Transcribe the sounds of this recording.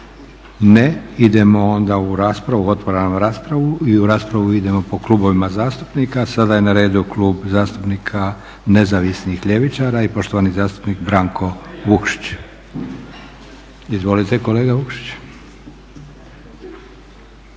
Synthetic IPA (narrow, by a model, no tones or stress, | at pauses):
neid̪e̞mo̞ond̪auɾaːspɾaʋuo̞t̪ʋoɾanamɾaːspɾaʋuiuɾaːspɾaʋuid̪e̞mo̞po̞klˠuːbo̞ʋimazaːst̪upnikasad̪aje̞naɾe̞ːd̪ukluːbzaːst̪upnikʰa | ne̞zaʋisnixʎe̞ʋit͡ʃaɾaipo̞ʃt̪oʋanizaːst̪u̥pnikbɾaŋkʰo̞ʋukʃi̥t͡ɕ | izʋo̞lit̪eko̞leːɡaʋukʃi̥t͡ɕ